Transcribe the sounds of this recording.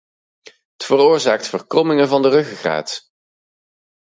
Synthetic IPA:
ɦətfəroːɹzaːk̚tfəɹkrɔmɪŋəvɑndərɵχχra̰ːt

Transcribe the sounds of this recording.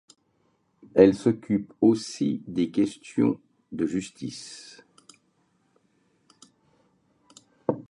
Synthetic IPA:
ɛlsɔkʲyposid̪ekʲɛst̪jɔ̰̃ | d̪əʒyst̪is

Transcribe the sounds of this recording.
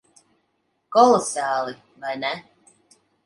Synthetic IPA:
kɔlˠɔsaːlˠi | vɑjnɛ

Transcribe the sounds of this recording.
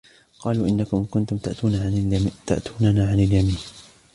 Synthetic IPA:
qɑːluːʔɪnːakʊmkʊnt̪ʊmt̪aʔt̪uːnat̪a̰ʔt̪uːnanaːʕanɪaljamiːn

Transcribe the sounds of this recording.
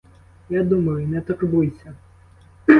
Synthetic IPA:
jad̪umɐjʊinɛt̪ɐkbujsʲɐ

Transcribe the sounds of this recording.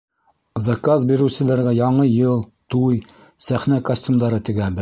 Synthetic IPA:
zɑkazbiɾɘ̆wsɘ̆læɾɡæjɑɴɤjɤlˠt̪uj | sæχnækɐsʲtʲumd̪ɑɾɤt̪ɘ̆ɡæbɘ

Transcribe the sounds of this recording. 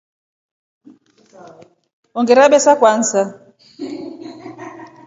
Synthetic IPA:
ɔŋɡɛɾaɓɛsakwan̩sa

